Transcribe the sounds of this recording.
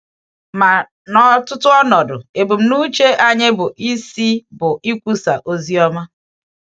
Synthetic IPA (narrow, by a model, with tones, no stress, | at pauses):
ma˨ | nɔ˦tʊ˦tʊ˦ɔ˦nɔ˨dʊ̰˨e˨bu˨m̩˨nu˦t͡ʃe˦ʔa˦ɲe˦bʊ˨ʔi˦si˦bʊ˨i˦kʷu˦sa̰˨ʔo˦zi˦ɔ˦ma˦